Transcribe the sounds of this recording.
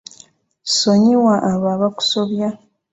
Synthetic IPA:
soɲiwaʔːβaβaku̥soβja

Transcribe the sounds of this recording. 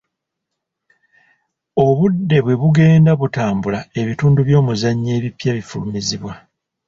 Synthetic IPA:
o̞βudːe̞βwe̞βuɡe̞ːndaβutaːmbulae̞βituːnduβjo̞ːmuzaɲːe̞ːβipjaβifulumiziβwa

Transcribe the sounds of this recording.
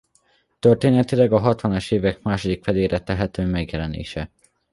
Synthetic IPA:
t̪ørt̪eːnɛt̪ilɛɡɒɦɒt̪ʋɒnɒʃeːvɛk̚maːʃod̪ikfɛd̪eːɾɛt̪ɛɦɛt̪øːmɛɡjɛlɛnḛːʃɛ

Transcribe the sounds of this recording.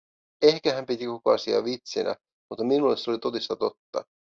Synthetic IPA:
e̞hkæɦæmpit̪iko̞koɑsiɑ̰ʋit̪sinæ̰ | mut̪ːɑminulːˑesolit̪o̞t̪ist̪ɑt̪o̞t̪ːɑ̰

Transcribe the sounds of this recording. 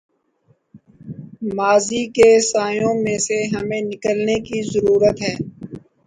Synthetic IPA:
maːzikesaːjõmẽseɦɐmẽnɪkəlnekizəɾuːɾət̪ɦɛː

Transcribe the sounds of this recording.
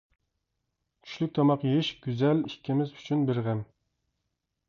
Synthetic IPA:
kʲʰy̥ʃlyk̚ʲt̪ʰɑmɑqjeʃɡʲyzɛlikʲʰːimɪzyt͡ʃʰynbeɾʁɛm

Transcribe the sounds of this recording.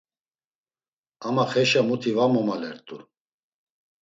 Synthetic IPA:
amaχɛʃamut̪ʰivamɔmalɛɾt̪ʼu

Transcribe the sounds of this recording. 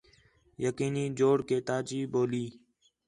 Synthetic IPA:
jəkiːniːd͡ʒoːɽkeːt̪aːt͡ʃiːboːliː

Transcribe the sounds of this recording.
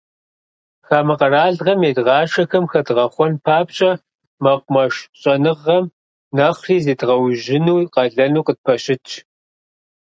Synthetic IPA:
xaːmɐqɐraːɮʁɐmeːdʁɑːʃɐxɐmxɐdʁɐχʷɔnpʰaːpɕʼɐ | mɐqʷmɐʃɕʼɐnɨʁːɐm | nɐχʷriːzeːdʁɐwʒɪnuːqɐɮɐnuːqət̚pʰɐɕɪt͡ʃʼʰ

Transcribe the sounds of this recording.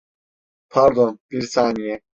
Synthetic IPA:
pʰaɾd̪ɔnpiɾsaːnijɛ

